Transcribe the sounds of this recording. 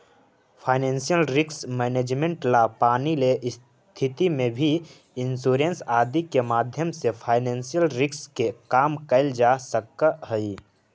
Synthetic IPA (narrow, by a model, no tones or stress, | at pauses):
pʰaːɪnɛ̃ːnsijəlɾɪksmɛːneːd͡ʒmẽɳʈlapaːnileʔs | t̪ʰɪt̪imẽbʱi | ɪnsuːɾẽnsaːd̪ikemaːd̪ʱjəmsepʰaːɪnɛːnsijəlɾɪkskekaːmkəɪld͡ʒasəkːɦəi